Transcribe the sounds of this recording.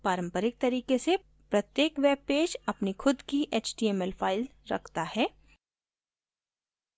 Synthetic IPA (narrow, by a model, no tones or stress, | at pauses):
paːɾə̃mpəɾɪk̚t̪ɐɾiːkese | pɾɐt̪jeːkʋeːb̚peːd͡ʒɐpnixʰʊd̪kiʔeːt͡ʃɖiːɛːmɛlfʰaːɪlɾɐ̰kʰt̪ahɛː